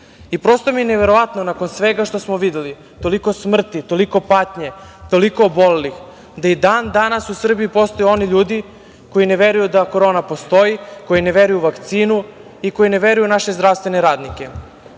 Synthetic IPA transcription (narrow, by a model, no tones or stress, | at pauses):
ipɾo̞st̪omineʋe̞ɾo̞ʋat̪nonako̞nsʋe̞ɡaʃt̪o̞smoʋid̪eli | t̪o̞liko̞smr̩t̪it̪o̞liko̞paːt̪ɲe̞t̪o̞liko̞ːbo̞lelix | d̪aid̪and̪anasusr̩biipo̞st̪o̞jeo̞niʎuːd̪i | ko̞jine̞ʋeɾujud̪ako̞ɾoːnapo̞st̪o̞jiko̞jine̞ʋe̞ɾujuʋakt̪siːnu | iko̞jine̞ʋe̞ɾujunaʃe̞zd̪ɾaʋst̪ʋe̞ne̞ɾaːd̪nike̞